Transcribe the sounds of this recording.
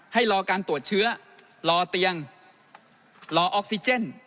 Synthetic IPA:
ha˥˩jlɔː˧kaː˧nt̪u˨˩ət̪̚t͡ɕʰɯ˦˥ɐ | lɔː˧t̪i˧əŋ | lɔː˧ʔɔː˦˥k̚si˧t͡ɕe˥˩n

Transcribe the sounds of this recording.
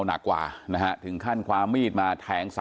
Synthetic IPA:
wna̰˨˩kːwa̰ː˨˩na˦˥kʰa˦˥t̪ʰɯ˩˦ŋkʰa˥˩nkʰwaː˧mːiː˥˩t̪̚maː˧t̪ʰɛː˩˦˥ŋsa˨

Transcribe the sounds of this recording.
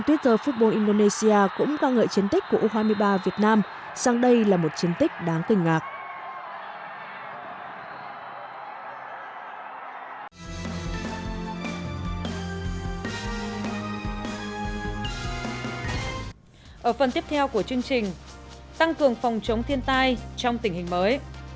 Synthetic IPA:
t̪wi˦˥ət̚t̪əː˧˩fu˦˥t̚ɓo˧nʔi˧nɗo˧ne˧si˧aː˧kʊ̰˧˥ŋ͡mkaː˧ŋə̰ː˧˨jt͡ɕi˨˦ənt̪i˦˥k̟̚ku˧˩əʔo˧ɦaː˧jmɨ˧əjɓaː˧vi˨˩ət̚naː˧m | saː˧ŋɗə˧jlaː˨˩mo˨˩t̚t͡ɕi˨˦ənt̪ï˦˥k̟̚ɗaː˨˦ŋk̪ï˨˩ŋ̟ːaː˨˩k̚ | ʔəː˧˩fə˨˩nt̪i˦˥əp̚t̪ʰɛ˧wku˧˩ət͡ɕɨ˧əŋt͡ɕï˨˩ŋ̟ | t̪a˧ŋkɨ˨˩əŋfɔ˨˩wŋ͡mt͡ɕə˨˦wŋ͡mt̪ʰi˧ənt̪a˧jt͡ɕɔ˧wŋ͡mt̪ï˧˩ŋ̟hï˨˩ŋ̟məː˨˦j

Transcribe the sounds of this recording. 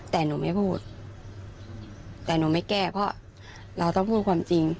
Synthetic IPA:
t̪ɛː˨˩nuː˨˧˦ma˥˩jpʰuː˥˩t̪̚ | t̪ɛː˨˩nuː˨˦ma˥˩jkɛː˥˩pʰɔ˦˥ | ɾa˧wt̪ɔ˥˩ŋpʰuː˥˩t̚kʰwaː˧mt͡ɕi˧ŋ

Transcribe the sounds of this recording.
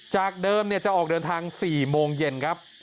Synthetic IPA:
t͡ɕaː˨˩k̚dɤː˧mni˥˩ɐt͡ɕa˨˩ʔɔː˨˩k̚dɤː˧nt̪ʰaː˧ŋsiː˨˩moː˧ŋje˨˩nkʰɾa˦˥p̚

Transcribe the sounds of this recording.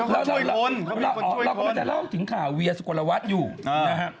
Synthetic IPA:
lwa˧˥˧lo˧˥nla˧wɔː˦kɾa˧wɔ˧ma˧˩t͡ɕa˧˩lɔː˥˩mt̪ʰɯ˩˦ŋkʰaː˨˩wwi˧ɐsu˨ku˨˩lːa˧wa˦˥t̪̚juː˨˩˧na˦˥kʰɾa˦˥p̚

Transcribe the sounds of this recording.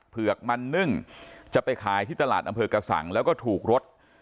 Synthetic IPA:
pʰɯ˨˩ək̚ma˧nːɯ˥˩ŋt͡ɕa˨˩pa˧jkʰaː˨˧˦jt̪ʰiː˥˩t̪a˧laː˨˩t̪̚ʔa˧mpʰɤː˧ka˧sa̰˩˦ŋlɛː˦˥wkɔː˥˩t̪ʰuː˨˩k̚ɾo˦˥t̪̚

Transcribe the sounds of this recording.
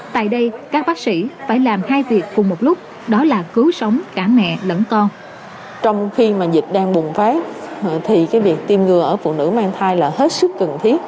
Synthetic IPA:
t̪a̰ː˧˨jɗə˧jkaː˦˥k̚ɓaː˦˥k̚sḭ˧˩faː˧˩jlaː˨˩mhaː˧jvi˨˩ət̚kʊ˨˩ŋ͡mmo˨˩t̚lʊ˦˥k͡p̚ | ɗɔ˨˦laː˨˩kɨ˨˦wsə˨˦wŋ͡mkaː˧˩mɛ̰˧˨lə̰˧˥nk̪ɔ˧n | t͡ɕɔ˧wŋ͡mxi˧maː˨˩zi˨˩t̚ɗaː˧ŋɓʊ˨˩ŋ͡mfaː˨˦t̪ʰi˨˩kaː˨˦jvi˨˩ək̚t̪i˨˧˩mŋɨ˨˩əʔəː˧˩fṵ˧˨nɨ̰˧˥maː˧ŋt̪ʰaː˧jlaː˨˩he˦˥t̚sɨ˦˥kːə˨˩nt̪ʰi˨˦˥ət̚

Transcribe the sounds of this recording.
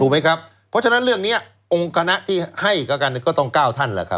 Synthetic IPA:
uː˧ma˦˥jkʰa˦˥p̚ʰːɔ˦˥t͡ɕʰa˧na˦˥nɾɯ˥˩əŋni˦˥ɐ | ʔo˧ŋkʰa˧na˦˥ʔt̪ʰiː˥˩ha˥˩jkaː˧˩ka˧n˧˩kɔː˥˩t̪ɔ˥˩ŋkaː˥˩wt̪ʰa˥˩nlaː˧˩kʰa̰˦˥

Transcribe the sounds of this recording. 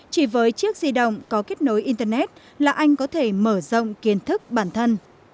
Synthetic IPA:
t͡ɕi˧˩vəː˨˦jt͡ɕɨ˦˥ək̚zi˧ɗə̰˧˨wŋ͡mkɔ˨˦ke˦˥t̚no˨˦jʔi˧nt̪əː˧nɛ˦˥t̚ | laː˨˩ʔa˧jŋ̟kɔ˨˦t̪ʰe˧˩məː˧˩zə̰˧˨wŋ͡mki˨˦ənt̪ʰɨ˦˥k̚ɓaː˧˩nt̪ʰə˧n

